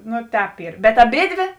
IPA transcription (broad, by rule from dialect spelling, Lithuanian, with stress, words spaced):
ˈnʊ ˈtʲɛːp ˈiːr bʲɛt ɐˈbʲeːdʲʋʲeː